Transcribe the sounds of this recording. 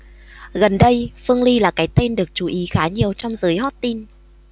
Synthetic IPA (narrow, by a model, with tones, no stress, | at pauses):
ɣə˨˩nɗə˧jfɨ˧əŋli˧laː˨˩kaː˨˦jt̪e˧nɗɨ˨˩ək̚t͡ɕu˧˩˦ʔi˨˦xaː˨˦ɲi˨˩əwt͡ɕɔ˧wŋ͡mzɨː˨˦jɦɔ˦˥t̚t̪i˧n